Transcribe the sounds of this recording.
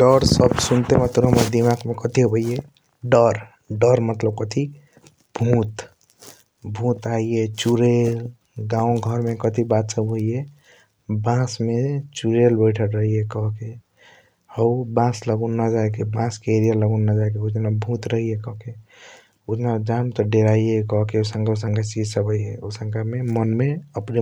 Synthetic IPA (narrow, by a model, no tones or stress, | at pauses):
ɖəɾsəbsunt̪emət̪əbɦəməɾd̪imaɡmekət̪iɦbʱəije | ɖəɾ | ɖəɾmət̪ləb̚kət̪ʰi | bʱũt̪ | bʱũt̪aijet͡ʃuɾel | ɡãõɡʱəɾmekət̪ibat̪səbɦoije | bãsmet͡ʃuɾelbəɪʈʰəʈɾəɦiekɔɦke | əbãsləɡunːad͡ʒaek̬ebãskeeɾijaləɡunːad͡ʒaek̬eud͡ʒnabʱũt̪ɾəɦiekɔɦke | ud͡ʒnad͡ʒamt̪ɔɖeɾaiekɔɦkeosə̃ŋɡʱasəŋɡʱat͡ʃid͡ʒsəbʱəiɦḛosə̃ŋɡamemənmeəpne